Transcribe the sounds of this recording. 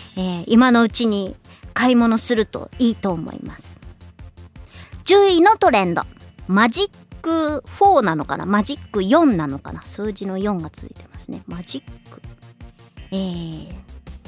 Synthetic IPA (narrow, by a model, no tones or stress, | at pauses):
eːimano̞ɯ̟t͡ɕiɲ̟i | kaimo̞no̞sɨɾɯ̟t̪o̞̰iːt̪o̞ːmo̰ḭmasɨ̥ | d͡ʑɨːino̞t̪o̞ɾẽ̞nd̪o̞̰maʑikːɯ̟ɸo̞ːnano̞ka̰na̰maʑikːɯ̟jõ̞nːano̞ka̰nasɨːʑino̞jõ̞ŋɡat͡sɨ̰ḭt̪e̞masɨne̞maʑikːɯ̟̥ | eː